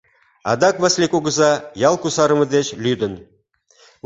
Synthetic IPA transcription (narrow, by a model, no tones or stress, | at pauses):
ɑ̰d̪ɑkvɑslʲekoɡɤ̆zɑjɑlˠkusɑɾə̆mɤ̆d̪eɕlʲyd̪ɘ̆n